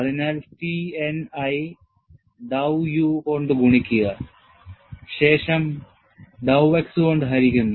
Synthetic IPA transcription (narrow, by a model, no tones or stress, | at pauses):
ɐðinaːlsienɐj | ɖɐwjukoɳɖɨɡuɳikʲːujɐ | ɕe̞ːʂɐm | ɖɐweksɨoɳɖɨɦɐɾikʲːunːu